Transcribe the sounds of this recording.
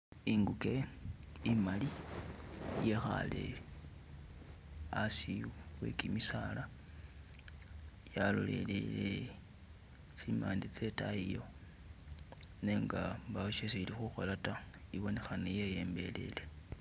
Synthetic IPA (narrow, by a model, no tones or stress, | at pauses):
iŋɡuke | imali | jexa̰le̞̰ | asiwḛkimisala | jalo̰lḛlḛle | t͡simaːndit͡setaijo̞ | neŋɡamβaoʃeseilixuxolataiβo̞ne̞xanejejeːmbe̞le̞̰le̞